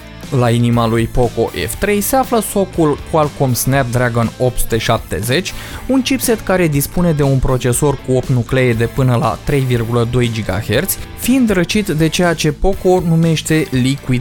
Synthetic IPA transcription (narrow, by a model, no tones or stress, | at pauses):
lainimalujpo̞ko̞ʔḛft̪ɾe̞jse̞afləso̞kulkwalkomsnap̚d̪ɾaɡo̞no̞p̚t̪su̥t̪e̞ʃap̚t̪e̞̰ze̞t͡ʃʲunt͡ʃipse̞t̪kaɾe̞d̪ispune̞d̪e̞unpɾo̞t͡ʃe̞so̞rkuo̞p̚t̪nukle̞ed̪e̞pɨnəla̰t̪ɾe̞jvirɡuləd̪o̞jd͡ʒiɡa̰he̞rt̪sʲfiːnd̪ɾət͡ʃit̪d̪e̞t͡ʃe̞jat͡ʃe̞po̞ko̞nume̞ʃt̪e̞likuid̪